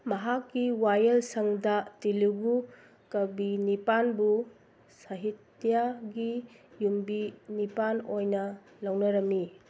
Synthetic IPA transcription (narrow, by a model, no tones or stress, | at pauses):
mɐɦakːiwajelsɐŋdɐtiluɡu | kɐbinipanbu | saɦit | ijaɡijumbinipanojnɐ | lawnɐɾɐmːi